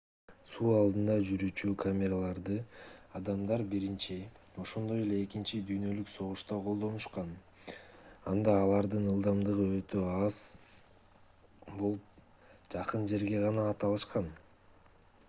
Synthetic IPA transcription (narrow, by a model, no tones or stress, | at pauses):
suːɑlˠd̪ɯnd̪ɑd͡ʒyɾyt͡ʃykʰamʲeɾalˠɑɾd̪ɯɑd̪ɑmd̪ɑɾbiɾint͡ʃio̞ʃo̞nd̪o̞je̞le̞ːkint͡ʃid̪yjnø̞lykso̞ʁuʃt̪ɑqʰo̞lˠd̪o̞nuʃqɑn | ɑnd̪ɑːlˠɑɾd̪ɯnɯlˠd̪ɑmd̪ɯʁɯø̞t̪ø̞ɑz̥ | bo̞lˠup̚ | d͡ʒɑqɯnd͡ʒe̞ɾɡe̞ʁɑnɑːt̪ɑlˠɯʃqɑn